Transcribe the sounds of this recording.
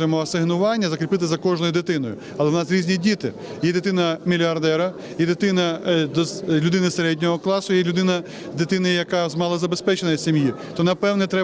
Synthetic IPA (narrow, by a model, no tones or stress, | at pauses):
jmɔɐsɪɦnʊʋɑnʲːɐzɐkɾʲipɪt̪̬ɪzɐkɔʒnɔjʊd̪ɪt̪ɪnɔjʊ̰ | ɐlˠɛwnɑsɾʲizʲnʲidʲit̪ɪ | jɛd̪ɪt̪ɪnɐmʲilʲiɐrd̪ɛɾɐ | jɛd̪ɪt̪ɪnɐd̪lʲʊd̪ɪnɪseɾɛdʲnʲɔɦɔklˠɑsʊjɛlʲʊd̪ɪnɐ | d̪ɪt̪ɪnɪjɐkɑzmɑlˠɐzɐbespɛt͡ʃenɐjsʲimji | t̪ɔnɐpɛwnɛt̪ɾɛ